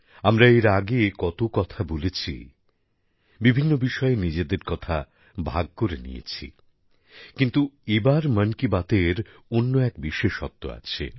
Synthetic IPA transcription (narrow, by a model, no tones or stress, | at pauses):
amɾaeɾaɡekɔt̪okɔt̪ʰabolet͡ɕʰḭ | bibʱinːobiʃɔenid͡ʑed̪eɾkɔt̪ʰa | bʱaɡ̚koɾenḭjḛt͡ɕʰḭ | kint̪uebaɾmənkibat̪eɾ | onːoɛk̚biʃeʃɔ̰t̪ːo̰a̰t͡ɕʰḛ